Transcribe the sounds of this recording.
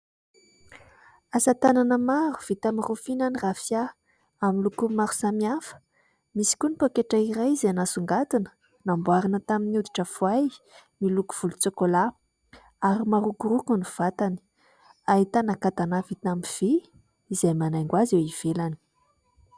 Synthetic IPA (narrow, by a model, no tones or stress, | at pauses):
asat̪ananəmaɾuv̥it̪amarufinanirafija | amilukumaɾu̥samiafə̥ | misi̥kʲunipokeʈ͡ʂaiɾajzeanasuŋɡat̪unə̥ | nambuaɾinət̪aminiud̪i̥ʈ͡ʂəfuaj | miluku̥v̥ulut͡sokola | aɾimaɾukurukunuv̥at̪ani̥ | ait̪anakat̪anavit̪amiv̥i | izajmanajŋɡwazewiv̥elani̥